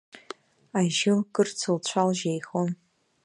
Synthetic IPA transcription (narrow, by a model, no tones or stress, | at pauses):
aʒɪkʼɨrt͡sʰɨlt͡ɕʷʰalʒejχon